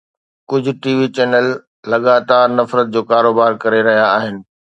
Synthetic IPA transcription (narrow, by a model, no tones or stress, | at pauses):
kʊd͡ʑʱʊ̆ʈiːʋit͡ɕɛːnəlː | ɐɠaːt̪aːɾnɐfɾət̪̚d͡ʑoːkaːɾoːbaːɾkɐɾeɾɐɦijaːɦɪnɪ̆